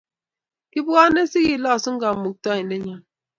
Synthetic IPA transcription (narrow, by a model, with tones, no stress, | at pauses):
ki˦bu˦a˦ne˦si˦ɣi˨la˦˨su˦ŋ̩˦ɡa˨m̩˨mu˨k̚tɔ˦i˨le˦ɲa˦